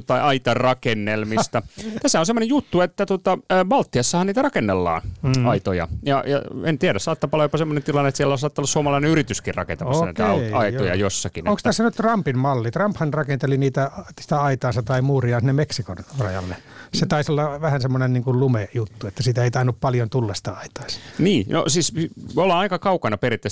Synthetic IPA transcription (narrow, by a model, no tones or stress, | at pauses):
t̪ːɑiɑit̪ɑrɑkenːelmist̪ɑt̪æsːæonsemːonejut̪ːuet̪ːæt̪uot̪ɑːʋɑlt̪ːiɑsːɑhɑnniːt̪ærɑkenːelːɑ̰ːnɑit̪ojɑ̰jɑjɑ̰ent̪iæɾæssɑːt̪ːɑpɑlojopɑsemːonent̪ilɑnːet̪siælːæɑsɑːt̪ːɑolːɑsuomɑlɑineyrit̪yskirrɑ̰kent̪ɑɑsːniːt̪æɑio̰jɑ̰josːɑkineoŋkst̪æsːænytt̪rɑmpimmɑlːit̪rɑmphɑnrɑkent̪eliniːt̪æsi̥t̪æɑit̪ɑːsɑt̪ɑimuːriɑːnsinemeksikonrɑjɑ̰lːeset̪ɑisolːɑʋæhænsemːonenniːŋkullumejut̪ːuet̪ːæsiːt̪æeit̪ɑinuppɑljont̪ulːɑsi̥t̪æɑit̪ɑ̥ːsɑ̥niːno̰siːsolɑɑikɑkɑukɑnɑperit̪ːe